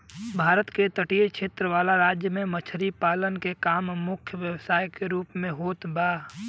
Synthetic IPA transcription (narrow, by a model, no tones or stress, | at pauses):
bʱaːɾət̪ket̪əʈiekʃeːt̪ɾəʋaːlaɾaːd͡ʒjəmẽmət͡ʃʰɾipaːlənkekaːmmʊkʰjəʋjəwsaːjkeɾuːpmẽɦoːt̪baː